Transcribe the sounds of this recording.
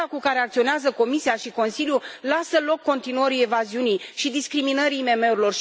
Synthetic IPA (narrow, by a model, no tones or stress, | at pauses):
akukaɾe̞ak̚t̪sio̞neazəko̞misiaʃiko̞nsiljulasəlo̞kːo̞nt̪inuəɾije̞vaziunijʃid̪iskɾiminəɾiːme̞me̞uɾilo̞rʃ